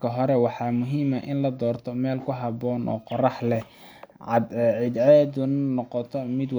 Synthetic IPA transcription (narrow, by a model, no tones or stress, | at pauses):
kʰɐɦɔɾɛwɑħɑːmʊɦiːmɐʔɪnlɐd̪ɔːrt̪ʰɔmɛːlkʰʊɦɑbɔːnʔɔ̰ːqɔrɑħlɛ | ʕɑd̪ɛʕɪd̪aɛd̪ʊnnɔqɔt̪ʰɔmɪd̪w